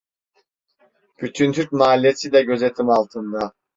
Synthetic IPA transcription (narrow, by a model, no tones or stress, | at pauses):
b̥yt̪ʰynt̪ʰyɾc̚maːlʲijesʰid̪ɛɟø̞zet̪ʰimalˠt̪ʰɯnd̪a